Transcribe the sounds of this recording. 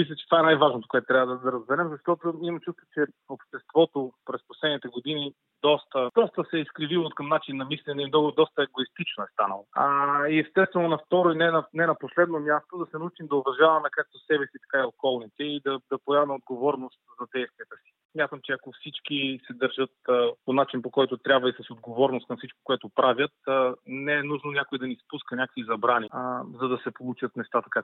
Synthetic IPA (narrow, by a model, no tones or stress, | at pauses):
mislʲɛt͡ʃɛt̪vaɛnajvaʒnot̪o̥koɛt̪ʊt̪ɾʲabvəd̪ɐd̪ɐɾɐzbɛɾɛmzɐʃt̪ɔt̪oimɐmt͡ʃust̪o̥t͡ʃɛ | opʃt̪ɛst̪vɔt̪opɾɛsposlɛd̪nit̪ɛɡod̪ini | d̪ɔst̪əd̪̥ɔst̪əsɛiskɾivilˠokɐmnat͡ʃinːɐmislɛnɛimnɔɡʊd̪ɔst̪əɛɡoist̪it͡ʃnoɛst̪anə̰lˠoaiɛst̪ɛst̪vɛnonɐft̪ɔɾoinɛnɐnɛnɐposlɛd̪nomʲjast̪od̪ɐsɛnɐut͡ʃimd̪ɐovɐʒavɐmɛnɛkak̚t̪osɛbɛsit̪ɐ̥kaiokɔlˠnit̪ɛid̪ɐd̪ɐpoɛmɐmɛod̪ɡovɔɾnost̪zɐd̪ɛjst̪viət̪əsi̥smʲjat̪əmt͡ʃɛɐkofsit͡ʃkisɛd̪əɾʒɤt̪ponat͡ʃinpokɔjt̪ʊt̪ɾʲabvəisɐsod̪ɡovɔɾnost̪kɐmfsit͡ʃko̥koɛt̪ʊpɾavʲjət̪ːnɛɛnuʒnonʲjakoid̪ɐnispuskɐnʲakəkvizɐbɾanizɐd̪ɐsɛpolˠut͡ʃət̪nɛst̪at̪ɐka